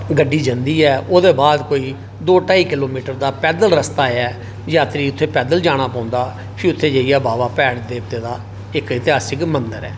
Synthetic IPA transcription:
ɡəɖːiːd͡ʒənd̪iːɛːoːd̪eːbaːd̪koːiː | d̪oːʈaːiːkɪloːmiːʈəɾd̪aːpɛːd̪əlɾəst̪aːɛː | d͡ʒaːt̪ɾiːʊt̪ʰːeːpɛːd̪əld͡ʒaːɽ̃aːpãːnd̪aː | pʰɪɾʊt̪ʰːeːd͡ʒəːijaːbaːbaːpɛːɽd̪eːbt̪eːd̪aː | ɪkɪt̪ɪɦaːsɪkmənd̪əɾɛ̰ː

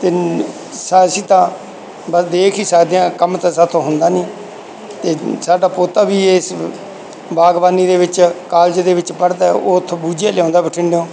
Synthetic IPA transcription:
t̪eː | saːsiːt̪ãː | bəsd̪eːkʰiːsaːd̪jãːkəmt̪aːsat̪ʰõːɦʊnd̪aːniː | t̪eːsaːɖaːpoːt̪aːbiːes | baːɡbaːniːd̪eːʋɪt͡ʃkaːld͡ʒd̪eːʋɪt͡ʃpəɽd̪aːɛot̪ʰːbuːd͡ʒaːlãːnd̪aːbɪʈʰɪɳɖeõː

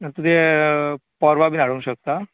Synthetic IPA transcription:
nt̪ud̪ʱe | pɔɾʋabʱinaɽunɕək̚t̪a

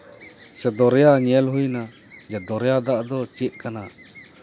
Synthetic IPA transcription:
sɛd̪ɔɾjaɲɛlɦujna | d͡ʒɛd̪ɔɾjad̪aʔd̪ɔt͡ʃit̪̚kana

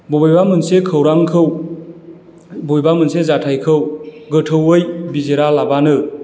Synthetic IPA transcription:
bobjbamɯnsekʰəwɾaŋkʰɯw | bojbamɯnsezatʰajkʰɯwɡɯtʰɯwɯjbizeɾalabanɯ

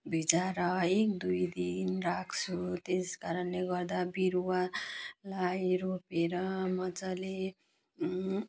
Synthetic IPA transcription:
bʱit͡saɾʌekd̪ujd̪inrakʰt͡sʰut̪eskaɾʌnleɡʌrd̪abiɾuwalajɾopeɾʌmʌd͡zʌle

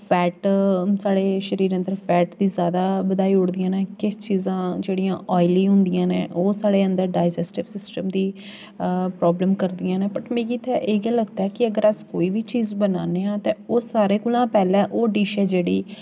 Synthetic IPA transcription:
pʰɛːʈsaːɽeːʃəɾiːɾə̃nd̪əɾpʰɛːʈd̪iːzjaːd̪aːbəd̪aːiːʊɽd̪ɪjãːneːkɪt͡ʃiːzãːd͡ʒeːɽijãːʔɔːɪliːɦʊ̃nd̪ɪjãːnḛ̃ːʔoːsaːɽeːənd̪əɾɖaːɪd͡ʒɛːsʈɪpsɪsʈəmd̪iː | pɾɔːbləmkəɾd̪ɪjãːneːpəʈmẽːɡiːt̪ʰːɛːʔeːɡãːləɡd̪aːɛːkɪəɡəɾəskoːiːʋiːt͡ʃiːzbənaːneːãːt̪ẽːoːsaːɾeːkʊlãːpɛːlɛ̃ːʔoːɖiːʃeːd͡ʒeːɽiː

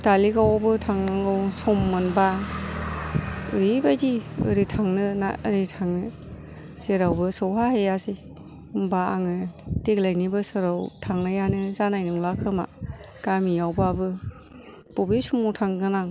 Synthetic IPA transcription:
talikawabɯtʰaŋnaŋɡɯwsɔmːɯnba | ɯɾibajdiɯ̰ɾitʰaŋnɯna̰ɾitʰaŋnɯ | z̥eɾawbɯsɔwɦahejasi | umbaaŋɯdeɡlajnibɯsɯɾawtʰaŋnajanɯzanajnɯŋlakʰɯma̰ | ɡ̥amijawbɯabɯ | bɔbisumɔwtʰaŋɡɯnaŋ

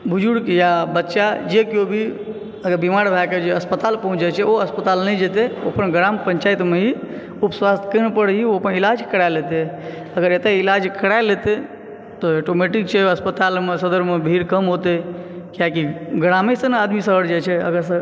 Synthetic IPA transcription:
bʱud͡ʒuɽkjabətːʃad͡ʒekjobʱi | əɡəɾbimaɾbʱaked͡ʒeəspət̪alpəɦũt͡ʃd͡ʒat͡ʃʰɛoəspət̪alnɛd͡ʒet̪eopənɡɾampəɲt͡ʃait̪meɦi | upəswast̪ʰkənepəɽɦioəpənilad͡ʒkəɽaelet̪e | əɡəɾet̪eilad͡ʒkəɽaelet̪e | t̪ɔoʈomeʈik̚t͡ʃʰɛəspət̪almesəd̪əɾmebʱiɾkəmɦot̪ekiakiɡɾamesənad̪misəɦəɾd͡ʒat͡ʃʰɛə̰ɡəɾsə

